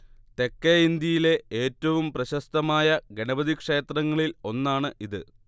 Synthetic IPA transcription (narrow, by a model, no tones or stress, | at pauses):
t̪e̞kːeind̪jɐjile̞ʔeːtːɐʋumprɐɕɐst̪ɐmaːjɐɡe̞ɳɐbɐd̪ikʂe̞ːt̪rɐŋːɐɭilo̞nːaːɳɨʔiðɨ